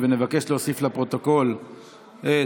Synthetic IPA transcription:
venevake̞ʃleosiflapʁo̞t̪o̞ko̞l | e

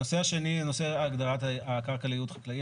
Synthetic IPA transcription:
ose̞aʃe̞ninose̞aːɡd̪aʁat̪akaʁkalijut̪χḁklai

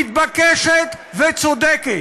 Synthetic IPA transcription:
it̪̚bakɛʃɛt̪ | vɛt͡sod̪ɛke

